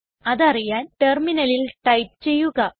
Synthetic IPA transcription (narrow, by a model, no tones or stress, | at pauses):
ɐðɐrijaːnʈerminɐlilʈɐjp̚t͡ɕe̞jːuɣɐ